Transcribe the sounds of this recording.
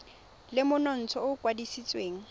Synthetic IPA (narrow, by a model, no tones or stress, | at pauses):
lɪmʊnɔn̩t͡sʰɔʊkʼwadisit͡sʼweːŋ̩